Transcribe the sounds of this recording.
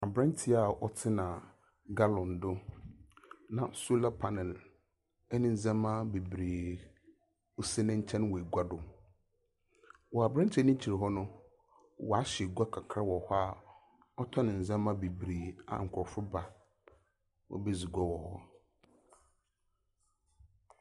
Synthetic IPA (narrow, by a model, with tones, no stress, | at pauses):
a˨bɾɛ̃˦n˦tʰɪ˨a˨ɔ˦tʰɪ˦nã˨ | ɡa˦lɔ̃˨n˨dʊ˦ | nã˨su˦la˦pʰa˦nɛ˨l | ɛ˦nɪ̃˦n̩˨zɛ̃˦mã˦be˨bɾeː˨ | o˦si˦nɪ̃˦ɲ̩˦t͡ɕʰɛ̃˦n˦wɔ˨e˨ɡʷa˦dʊ˨ | wɔ˨a˨bɾa˦t͡ɕʰɛ̃˦nĩ˦t͡ɕʰi˨ɾe˨ɦɔ˦nʊ̃˦ | wɔ˨a˦ɕɪ˨ɛ˨ɡʷa˦kʰa˨kʰɾa˦wɔ˨hɔ˦a˨ | ɔ˦tʰɔ˦nɪ̃˨n̩˨zɛ̃˦mã˦be˨bɾeː˨a̰˨ŋ̩˨kʷʰɔ˨fʊ˦ba˦ | wɔ̰˨be˦zi˨ɡʷɔ˦wɔ˨hɔ˦